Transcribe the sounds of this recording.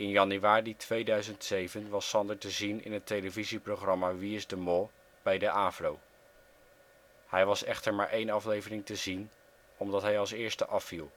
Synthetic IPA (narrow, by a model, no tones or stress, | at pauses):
ɪnjɑnyʋaːritʋejdœɥzəntsejvənʋɑsɑndəɹtəzinɪ̰nɦətejləviziprowχrɑmaːʋiɪzdəmɔlˠ | b̥ɛjdəʔaːflow | hɛjʋɑsɛχtəɹmaːɹʔejnɑflejvərɪŋtəzin | ɔmdɑtɦɛjɑlˠsɪːɹstəʔɑfilˠ